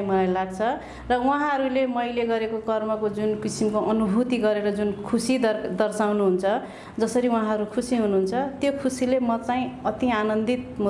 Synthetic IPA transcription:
mʌlajlaɡ̚t͡sʰʌ | rʌw̃ɦãɦʌɾulemʌjleɡʌɾekoɡʌrmʌkod͡zunkisimkoʔʌnubʱut̪iɡʌɾeɾʌd͡zunkʰusid̪ʌrsawnuɦunt͡sʰʌ | d͡zʌsʌɾiw̃ɦãɦʌɾukʰusiɦunuɦunt͡sʰʌt̪jokʰusilemʌt͡saĩʌt̪ianʌnd̪it̪̚mu

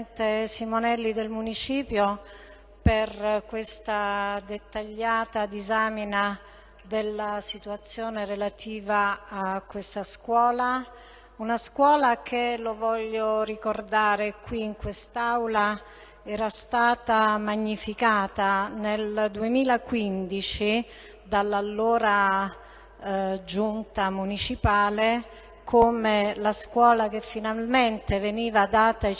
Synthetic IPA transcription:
nt̪esimonɛlːid̪elmunit͡ʃiːpjo | perkwest̪ad̪et̪ːaʎːaːt̪ad̪izaːmina | d̪elːasit̪uat̪sːjoːneɾelat̪ʰiːvaːkːwest̪askwɔːla | unaskwɔːlakʰelovɔʎːorikord̪aːɾekwiːŋkwest̪awla | ɛːɾast̪aːt̪amaɲːifikaːt̪aneld̪uemiːlakwind̪it͡ʃi | d̪alːalːoːɾa | d͡ʒunt̪amunit͡ʃipaːle | kʰomelaskwɔːlakefːinalment̪eveniːvad̪aːt̪a

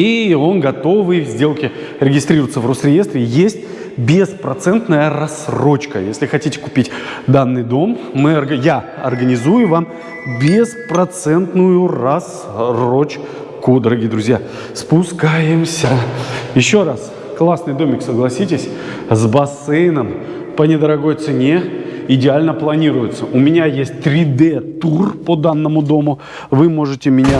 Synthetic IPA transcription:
io̞nɡɐt̪o̞vɨjvzʲdʲe̞lˠkʲɪ | ɾʲɪɡʲɪst̪ɾʲiɾəvət̪səvrosɾʲɪje̞st̪ɾʲɪjesʲtʲ | bʲɪspɾɐt̪sɛnt̪nəjəɾɐsɾo̞t͡ɕkəjesʲlʲɪxɐtʲitʲɪ̥kʊpʲitʲd̪anːɨjd̪o̞mːɨɐrɡja | ɐ̰rɡənʲɪzujʊvam | bʲɪspɾɐt̪sɛnt̪nʊjʊrɐs | rot͡ɕ | kud̪əɾɐɡʲijəd̪ɾʊzʲja | spʊskajɪmsʲəjɪɕːo̞ras | klˠasnɨjd̪o̞mʲɪksəɡlˠɐsʲitʲɪsʲ | zbɐsɛjɪnəm | pənʲɪd̪əɾɐɡo̞jt̪sɨnʲeɪdʲɪalʲnəplˠɐnʲiɾʊjʊt̪səʊmʲɪnʲajesʲt̚ʲt̪ɾʲɪd̪ɛt̪urpod̪anːəmʊd̪o̞mʊ | vɨmo̞ʐɨtʲɪmʲɪnʲa

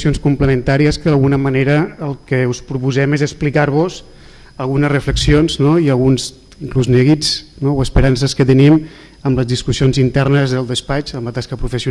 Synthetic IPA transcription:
sionskumpləmənt̪aɾiəskəðəlˠɣunəməneɾəːlˠkəuspɾupuzɛmezəsplikaɾβ̞oz | əlˠɣunəzrəfləksionznoiəlˠɣunz | iŋkluznɛɣiznowəspəɾans̬əskət̪ənim | əmləzðiskusionzint̪ɛrnəzðəlˠd̪əspat͡ʃəmlət̪askəpɾufəsiu

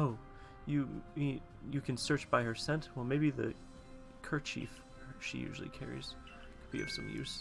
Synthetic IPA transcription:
oʊ | jɨi | jɨkʰɨ̃nsɜ˞t͡ʃb̥aɪə˞sɛ̃ntwɛlˠmeɪbiðɨ̰ | kʰɜ˞t͡ʃʰḭf | ʃḭjʉ̰ʒl̩ˠḭkʰɛ̰ɹḭz̥ | kʰəd̚bḭʌ̰v̥sʌ̃mjʉ̰z̥

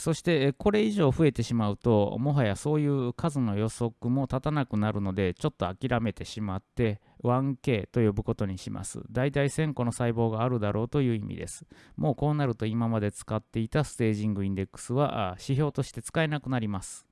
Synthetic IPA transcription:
so̞ɕi̥t̪e̞ko̞ɾe̞iʑo̞ːɸɯ̟e̞t̪e̞ɕimaɯ̟t̪o̞mo̞ɦajaso̞ːjɯ̟ːkʰazɨno̞jo̞so̞kɯ̟mo̞t̪at̪anakɯ̟naɾɯ̟no̞d̪e̞t͡ɕo̞t̪ːo̞akʲiɾʔame̞t̪e̞ɕimat̪ːe̞ | βãŋke̞ːt̪o̞jo̞bɯ̟ko̞t̪o̞ɲ̟iɕimʔa̰sɨ̰d̪ait̪aisẽ̞ŋko̞no̞saibo̞ːɡaːɾɯ̟d̪aɾʔo̞ːt̪o̞jɯ̟ːimʲḭd̪e̞̰sɨ̥mo̞ːko̞ːnaɾɯ̟t̪o̞imamad̪e̞t͡sɨ̥kat̪ːe̞it̪asɨ̥t̪e̞ːʑĩŋɡɯ̟ĩnd̪e̞kːɯ̥sɨβa̰ɕiço̞ːt̪o̞ɕi̥t̪e̞t͡sɨ̥kae̞nakɯ̟naɾʲimasɨ̥

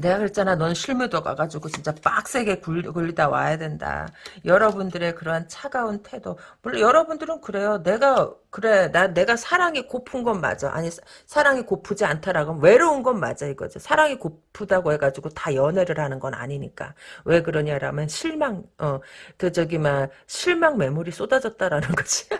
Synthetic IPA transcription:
ne̞ɡakɯɭt͡ɕ͈ananʌnɕʰiɭmudoɡa̰ɡad͡ʑuɡot͡ɕint͡ɕ͈ap͈ak̚s͈e̞ɡe̞kukuɭːidawa̰jadwe̞nda̰jʌɾʌbundɯɾe̞kɯɾʌɦant͡ɕʰaɡauntʰe̞domʌɭːʌjʌɾʌbundɯɾɯnkɯɾe̞jone̞ɡakɯɾe̞nane̞ɡasʰaɾaŋikopʰunɡʌnma̰d͡ʑa̰ʔa̰ɲi | sʰaɾaŋikopʰud͡ʑiantʰaɾaɡowe̞ɾounɡʌnma̰d͡ʑaiɡʌ̰d͡ʑisʰaɾaŋikopʰudaɡoɦe̞ɡad͡ʑiɡotajʌnwe̞ɾɯɾhanɯnɡʌna̰ɲiɲik͈a̰we̞kɯɾʌɲaɾamjʌnɕʰiɭmaŋʌkɯd͡ʑʌɡimaɕʰiɭmaŋme̞muɾis͈odad͡ʑʌt̚t͈aɾanɯnɡʌd͡ʑi̥

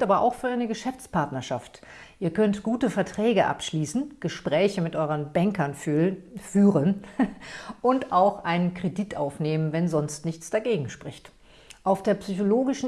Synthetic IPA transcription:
tʔaːbɐʔa̰ʊxfyːɐʔaɪnəɡəʃɛft͡spʰaɐtnɐʃa̰ft | ʔiːɐkʰœntɡ̥uːtəfɛɐtʁ̥ɛːɡəʔa̰pʃliːsn̩ɡ̥əʃpʁ̥ɛːçəmɪtʔɔʏʁənbɛŋkɐn | fyːʁən | ʔʊntaʊxʔaɪnənkʁ̥editʔaʊfneːmənvɛnzɔnstnɪçt͡sd̥aɡeːɡŋ̩ʃpʁ̥ɪçt | ʔaʊfd̥eːɐpsyçoloːɡɪʃn̩

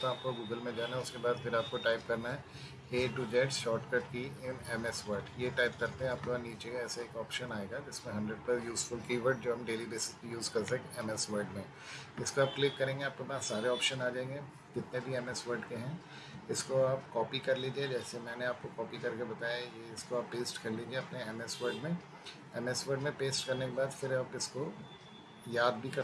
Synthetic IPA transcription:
oaːp̚koɡuːɡəlmẽd͡ʒaːnaɦɛʊskebaːd̪fʰɪɾaːp̚koʈaːɪpkɐɾnaɦɛ | eːʈud͡ʒɛʈʃɔːʈkɐʈkiɪnɛmɛsʋəɾɖjeʈaːɪp̚kɐɾt̪ẽɦɛ̃aːp̚koaniːt͡ʃekaɛːsaeːkɔːpʃənaːeːɡad͡ʒɪsmẽɦɐ̃ɳɖɾeɖ̚plɛsjuːzfʊlkiːʋəɾɖd͡ʒoːɦɐmɖeːlibeːsɪ̥skojuːzkɐɾsekeɛmɛsʋəɾɖmẽ | ɪskoaːp̚klɪkːɐɾẽːŋɡeaːp̚kebasaːɾeɔːpʃənaːd͡ʒaːẽːŋɡe | kɪt̪nebʱiɛmɛsʋəɾɖkeɦɛ̃ː | ɪskoaːpkɔːpikɐɾliːd͡ʒied͡ʒɛːsemɛ̃ːneaːp̚kokɔːpikɐɾkebɐt̪aːjajeɪskoaːpːeːsʈkɐɾliːd͡ʒieɐpneɛmɛsʋəɾɖmẽ | ɛmɛsʋəɾɖmẽpeːsʈ̚kɐɾnekebaːd̪fɪɾaːpɪsko | jaːd̪̚bʱikɐ

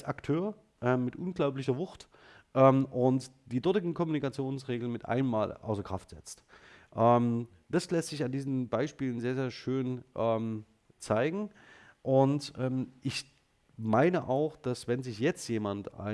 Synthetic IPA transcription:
aktʰøːɐ | ʔɛːmːɪtʔʊnɡlaʊp̬lɪçɐvʊxt | ʔɛːmʔʊntd̥iːdɔɐtɪɡŋ̩kʰɔmunikat͡sjoːnsʁeːɡl̩nmɪtʔa̰ɪnəmːaːlʔa̰ʊsɐkʁ̥a̰ftz̥ɛ̰t͡stʔɛːm | d̥aslɛstz̥ɪçandiːzn̩baɪʃpiːlən̩zeːɐzeːɐʃøːnʔɛːm | t͡saɪɡŋ̩ | ʔʊntʔɛːmʔɪç | maɪnəʔaʊxd̥asv̥ɛnzɪçjɛt͡stjeːmanta̰ɪ

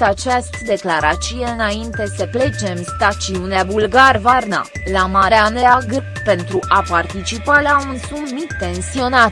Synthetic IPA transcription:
at͡ʃast̪d̪e̞klaɾat̪sije̞ɨnaint̪e̞səple̞t͡ʃe̞mst̪at̪siuneavulɡarvarna̰ | lamaɾeaneaɡ | pe̞nt̪ɾuʔapart̪it͡ʃipalaunsummit̪e̞nsio̞nat̪

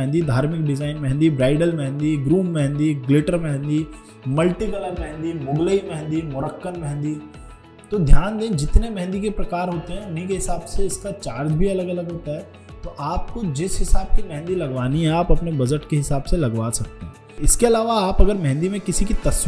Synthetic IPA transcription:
ɦnd̪id̪ʱaːɾmɪk̚ɖɪzaːɪnmɛɦɛ̃nd̪ibɾaːɪɖəlmɛɦɛ̃nd̪iɡɾuːmːɛɦɛ̃nd̪iɡlɪʈəɾmɛɦɛ̃nd̪i | mɐlʈikələɾmɛɦnd̪imʊɡleimɛɦɛ̃nd̪imʊɾəkːənmɛɦɛ̃nd̪i | t̪od̪ʱjaːnd̪ẽːd͡ʒɪt̪nemɛ̃ɦɛ̃nd̪ikepɾɐkaːɾɦoːt̪eɦɛ̃ʊnɦikeɦɪsaːbseɪskat͡ʃaːɾd͡ʒ̪bʱiɐləɡɐləɡɦoːt̪aɦɛː | t̪oʔaːp̚kod͡ʒɪsɦɪsaːb̚kimɛɦɛ̃nd̪ilɐɡʋaːniɦɛ̃aːpɐpnebɐd͡ʒəʈkeɦɪsaːbselɐɡʋaːsɐk̚t̪eɦɛ̃ː | ɪskeɐlaːʋaaːpɐɡəɾmɛɦɛ̃nd̪imẽkɪsikit̪ɐs

